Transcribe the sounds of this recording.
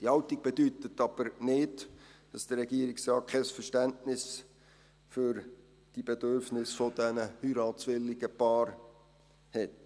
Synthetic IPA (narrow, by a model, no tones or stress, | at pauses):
d̥ihɑwtiɡ̚b̥edyt̪ət̪ɑb̥əɾnɪdd̥ɑsd̥̪əːɛɡiəɾiksrɑːt̚kʰɛsfəʃtæntnɪs | fyɾ | d̥ib̥ed̥øɾfnɪsfod̥ɛnəhyɾɑːt͡sʋɪlːɪɡəpɑːɾ | hɛt̚